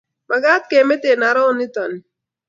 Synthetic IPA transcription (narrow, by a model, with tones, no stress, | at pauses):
ma˨ɡa˦t̪̚ke˨me˦t̪e˨na˨ɾɔ˦ni˦t̪ɔ˨ni˨